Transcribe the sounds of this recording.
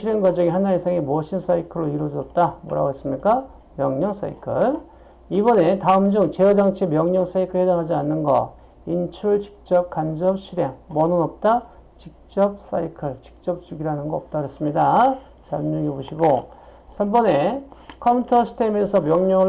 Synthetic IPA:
iɾeŋɡwad͡ʑʌŋiɦanaisʰaŋemuʌɕʰins͈ʰaikʰɯɾoiɾwʌd͡ʑʌt̚t͈amo̰ɾa̰ɡes͈ɯmɲik͈a | mjʌŋɲʌŋs͈a̰ḭkʰɯɭ | ibʌne̞taɯmd͡ʑuŋt͡ɕe̞jʌd͡ʑaŋt͡ɕʰemjʌŋɲʌŋs͈aikʰɯɭhedaŋɦad͡ʑianːɯnɡʌ̰ | int͡ɕʰuɭt͡ɕi̥k̚t͡ɕ͈ʌp̚kand͡ʑʌp̚ɕʰiɾjeŋmʌnɯnʌp̚t͈a | t͡ɕik̚t͡ɕ͈ʌp̚s͈aikʰɯɭt͡ɕi̥k̚t͡ɕ͈ʌp̚t͡ɕuɡiɾanɯnɡʌʌp̚t͈aɡɯɾʌs͈ɯmɲida | t͡ɕamɲuɡeboɕʰiɡo | sʰambʌne̞kʰʌpʰutʰʌsʰɯ̥tʰemesʰʌmjʌŋɲʌŋɯ

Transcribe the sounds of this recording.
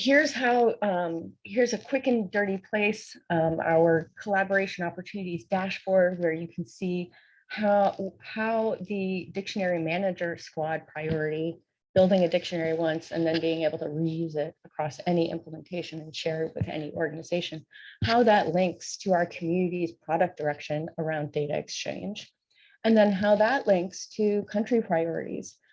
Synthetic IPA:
hiɹz̥ɦaʊ | hiɹzɨkʰw̥ɪkɨ̃ndɜ˞ɾipʰl̥eɪsa̰ʊə˞kʰəlæbə˞eɪʃɨ̃nɑpə˞tʰʉnɨɾizdæʃfɔɹd̚wə˞jɨkʰn̩si | hahaʊðɨdɪkʃɨnɛɹimænɨd͡ʒə˞skwɑd̚pʰɹ̥aɪɔɹɨɾi | b̥ɪlˠdɪ̃ŋɨdɪkʃɨ̃nɛɹiwʌ̃nsɨ̰̃nðɨ̃nbiɪ̃ŋeɪbl̩ˠtʰɨɹijʉzɪɾəkʰɹ̥ɔsɛniʔɪ̰̃mpləmə̃ntʰeɪʃɨ̃nɨ̃nʃɛɹwɨ̰ðɛ̰niʔɔɹɡɨnɨzeɪʃɨ̃nhaʊðəʔˡlɪ̃ŋkstʰɨaʊə˞kʰmjʉnɨɾiz̥pʰɹ̥ɑɾɨk̚d̥ə˞ɛkʃɨ̃nə˞ãʊ̃ndeɪɾɨ̰ɨ̰kst͡ʃʰḛ̃ɪ̃nd͡ʒ | ɨ̃nðɨ̃nɦaʊðəʔˡlɪ̃ŋkstʰɨkʰʌ̃nt͡ʃɹ̥ipʰɹ̥aɪɔɹɨ̰ɾḭz̥

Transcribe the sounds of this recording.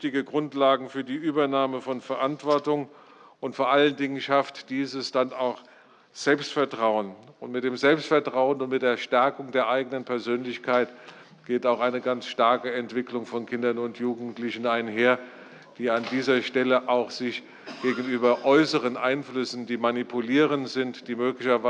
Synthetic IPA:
tɪɡəɡʁʊntlaːɡŋ̩fyːɐdiːʔyːbɐnaːməfɔnfɛɐʔantv̥ɔɐtʊŋ | ʔʊntfoːɐʔaləndɪŋənʃaftd̥iːzəsd̥anaʊx | z̥ɛlpstfɛɐtʁ̥aʊənʊntmɪt̚d̥eːmzɛlpstfɛɐtʁ̥aʊənʊntmɪt̚d̥eːɐʃtɛɐkʊŋdeːɐʔaɪɡənənpʰɛɐzøːnlɪçkʰaɪt | ɡ̥eːtaʊxaɪnəɡant͡sʃtaɐkəɛntv̥ɪklʊŋfɔnkʰɪndɐnʊntʰjuːɡŋ̩tlɪçn̩aɪnɦeːɐ | d̥iːandiːzɐʃtɛləʔaʊxz̥ɪç | ɡ̥eːɡn̩yːbɐʔɔʏsəʁənʔaɪnflʏsn̩diːmanipʰuliːʁəntz̥ɪntd̥iːmøːklɪçɐva

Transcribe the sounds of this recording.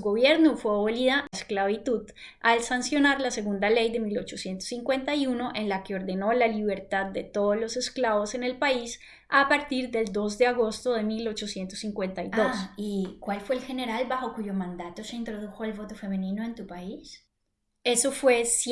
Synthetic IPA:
ɣo̞βje̞ɾnufweaβoliðasklaβit̪uð | alsansjo̞naɾlase̞ɣund̪ale̞jðe̞milo̞t͡ʃo̞sje̞nt̪o̥siŋkwe̞nt̪ajuno̞ʔe̞nlake̞oɾðe̞no̞laliβ̞e̞ɾt̪ad̪ːe̞t̪o̞ðolo̞se̞sklaβo̞se̞ne̞lpais | apaɾt̪iɾðe̞ld̪o̞z̬d̪e̞aɣo̞st̪o̞ðe̞milo̞t͡ʃo̞sje̞nt̪osiŋkwe̞nt̪ajosikwalfwe̞ːlxe̞ne̞ɾalbaxo̞kuʝo̞mãnd̪at̪o̞se̞int̪ɾo̞ðuxo̞elβo̞t̪ofe̞mẽnĩnoent̪upais | e̞so̞fwe̞s

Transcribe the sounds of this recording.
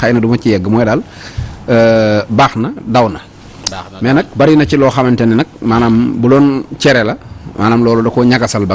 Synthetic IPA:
xajnɐdumɐcijɛɡːəmɔɛdaːl | baːxnɐdawnɐ | mɛnɐk̚bɐɾinɐcilɔːxɐmɐntɛnɛnɐk̚maːnaːmbulɔːnt͡ʃɛɾɛlɐmʔaːnaːmlɔːlɔdɐkɔɲɐɡɐsɐlbɐ

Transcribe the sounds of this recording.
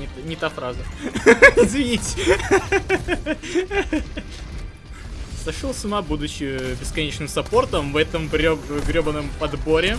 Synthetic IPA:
nʲɪt̪nʲɪt̪afɾazə | ɪzvʲɪnʲitʲ | sɐʂɨlˠsʊnabud̪ʊt͡ɕːɪbʲɪskɐnʲet͡ɕnɨmsɐpo̞rt̪əmvɛt̪əmɡɾʲoɡɾʲobənəmpɐd̪boɾʲɪ

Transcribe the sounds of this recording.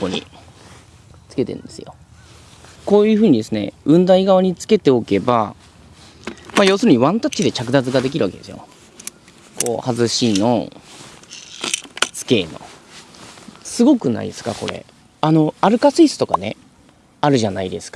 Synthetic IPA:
pːoɲ̟ḭ | t͡sɨ̥ke̞t̪e̞̰ɯ̰̃nd̪esɨjo̞ | ko̞ːjɯ̟ːɸɯ̟ːɲ̟id̪e̞sɨne̞̰ɯ̟̃nd̪aiɡaβ̞aɲ̟it͡sɨ̥ke̞t̪e̞o̞ke̞ba | majo̞ːsɨɾɯ̟ɲ̟iβãnt̪at͡ɕt͡ɕːid̪e̞t͡ɕak̬ɯ̟d̪azɨɡad̪e̞k̬ʲiɾɯ̟βake̞d̪e̞sɨjo̰ | ko̞̰ːhazɨɕinno̞̰ | sɨ̥ke̞ːno̞̰ | sɨɡo̞kɯ̟na̰ḭd̪esɨ̥kako̞̰ɾe̞̰ | ano̞aɾɯ̟kasɨiːsɨ̥t̪o̞kane̞ | aɾɯ̟ʑanaid̪e̞sɨ̥kḁ

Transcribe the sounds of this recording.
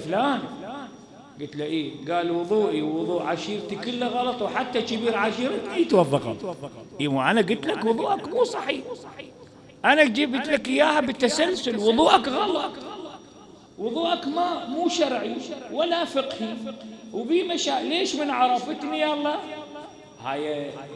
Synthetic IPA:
flaːn | ɡʊɪt̪laʔeːɡaːlwʊðˤuːʔiwwʊðˤuːʔʕaʃiːɾt̪ikɪlːaɣɑlɑt̪ˤwħat̪ːat͡ʃɪbiːɾʕaʃiːɾat̪ʔit̪wɑðˤːɑqɑ̰t̪ʔiwaʔanaɡɪt̪lakwʊðˤuːʔakmuːsˤɑħiːħ | ʔanakd͡ʒɪbɪt̪lakʔɪjːaːhabɪt̪ːasalsʊlwʊðˤuːʔakɣɑlɑt̪ˤlt | wʊðˤuːʔakmamuːʃɑɾˤʕiwalafɪqhiwbimaʃaːʔleːʃmɪnʕɑɾˤɑfɪt̪nijalˤːɑː | ha̰ːja

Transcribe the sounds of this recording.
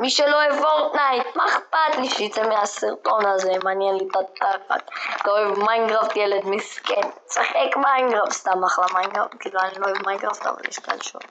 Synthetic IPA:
miʃeloevoʁt̪najt̪maeχpat̪liʃejit͡semehasiʁt̪o̞nazemaːnjɛnlit̪at̪̚aka̰t̪loevmajnɡʁaft̪jeled̪miskent͡saχekmajnɡʁafst̪amaχlamajnɡʁa̰ft̚kiːluaniloevmajnɡʁaft̪a̰va̰lḭʃka̰lʃṵ

